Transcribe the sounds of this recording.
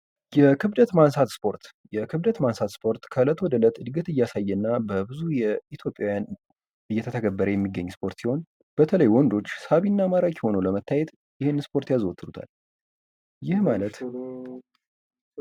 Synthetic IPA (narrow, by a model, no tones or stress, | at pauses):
jɛkʰɨβd̪ət̪mansat̪spʰo̞ɾt̪ | jɛkʰɨβd̪ət̪mansat̪spʰo̞ɾt̪kʰələt̪ʰwɔd̪ələt̪ʼɨd̪ɡət̪ɨjːasajːɛnːabəbɨzujɛit̪ʰjo̞pʼjawjan | ɨjːɛt̪ʰət̪ʰəɡəbːəɾəjɛmːiɡəɲːspʰo̞ɾt̪siho̞n | b̥ət̪ʰələjwɔnd̪o̞t͡ʃːsaβinːamaɾakho̞nələmət̪ʰːajɛt̪ | jɪhenːnspʰo̞ɾt̪jazwot̪ʰːɨdut̪ʰa̰l | jɪhmalət̪